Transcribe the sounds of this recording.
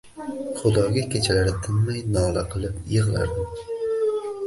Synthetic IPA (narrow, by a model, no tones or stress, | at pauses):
χʊd̪ɒːɡʲakʲʰet͡ʃʰalaɾɪt̪ʰɪnmajnɒːlaqʰɨlˠɪpjɨʁlˠa̰ɾd̪ɪm